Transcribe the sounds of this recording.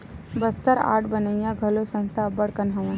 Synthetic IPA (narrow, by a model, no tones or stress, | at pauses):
bɐst̪əɾa̰ːʈbɐnəjãɡʱɐlosə̃nst̪ʰabəɽkɐnɦɐʋã